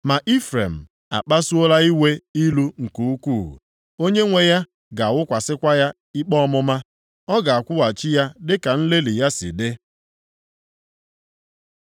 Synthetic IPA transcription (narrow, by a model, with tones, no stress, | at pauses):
ma˨ʔi˦fɾe˨m̩˨ | a̰˨k͡pa˦su˦o˦la˦i˦we˦i˦lu˦ŋ̩˨ku˨u˦kʷu˦˨ɦṵ˨ | o˦ɲe˦ŋʷe˦ja˦ | ɡa˨a˨wʊ˦kʷa˨sɪ˦kʷa˦ja˦ | i˦k͡pɔ˦ɔ˦mʊ˦ma˦ | ɔ˦ɡa˨a˨kʷʊ˦wa˨t͡ʃɪ˦ja˦dɪ˦ka˨n̩˦le˦li˨ja˦sɪ̰˨dɪ˦